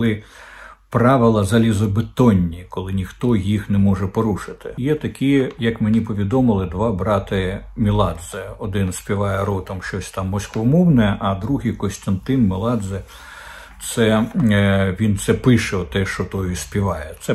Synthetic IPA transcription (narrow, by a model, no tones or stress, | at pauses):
klˠɪ | pɾɑʋɪlˠɐzɐlʲizɔbɪt̪ɔnʲːikɔlˠɪnʲixt̪ɔjixnɛmɔʒɛpɔɾuʃɪt̪ɪ̥jɛt̪ɐkʲijɐkmenʲipɔʋʲid̪ɔmɪlˠɪd̪ʋɑbɾɑt̪ɪmʲilˠɑd̪zɛɔd̪ɪnsʲpʲiʋɑjɛɾɔt̪ɔmʃt͡ʃɔsʲt̪ɑmːɔsʲkʋɔmɔwnɛʔɐd̪ɾuɦijkɔsʲt̪ɐnt̪ɪnmɪlˠɑd̪zɛ | t̪sɛ | ʋʲint̪sɛpɪʃɛɔt̪ɛʃt͡ʃɔt̪ɔjʊsʲpʲiʋɑjɛt̪sɛ